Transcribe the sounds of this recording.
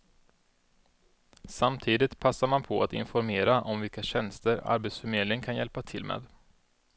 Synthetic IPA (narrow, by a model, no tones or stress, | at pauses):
samt̪ʰiːd̪ɪt̪pʰasːaɾmanpʰɔa̰t̪ɪ̰nfɔɾmeːɾaʔɔmvɪlkaɕɛnst̪əɾa̰ɾbet̪sfœɾmeːd̪lɪəŋkʰanjɛlpat̪ʰɪlmḛːd̪